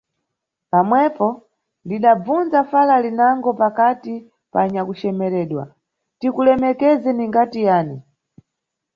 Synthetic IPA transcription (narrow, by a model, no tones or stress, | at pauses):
pamwɛpɔ | ndiɗab͡vunzafalalinaŋɡɔpakati | pa̰ɲakut͡ʃɛmɛɾɛːɗwa̰ | tikulɛmɛkɛzɛniŋɡatijaːni